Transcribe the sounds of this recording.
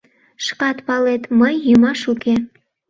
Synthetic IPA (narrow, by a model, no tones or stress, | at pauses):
ʃkɑt̪pɑlet̪məjːymɑʃuke